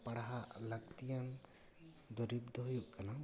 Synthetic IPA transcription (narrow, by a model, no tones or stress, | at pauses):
paɽaɦaʔlaɡ̚t̪ijan | d̪ɔɾib̚d̪ɔɦujuʔkana